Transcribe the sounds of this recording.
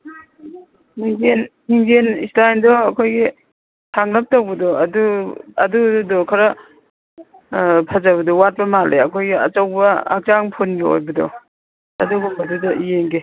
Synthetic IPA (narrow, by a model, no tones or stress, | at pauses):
niŋd͡ʒenniŋzenistajndɔːkʰojɡi | tʰaŋnɐp̚tawbɐdɔɐduɐ̰duudɔkʰɐɾɐ | pʰɐzaβɐdɔwat̚bɐmalḛɐkʰojɡiɐ̰t͡ʃɐwbɐa̰k̚t͡ʃaŋpʰunɡio̰jbɐdɔ̰ | ɐ̰duɡɔbɐdudɐijeŋɡe